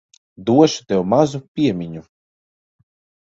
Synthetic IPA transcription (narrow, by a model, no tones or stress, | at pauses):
d̪uɔʃu̥t̪ɛwmazupʲiɛmʲiɲu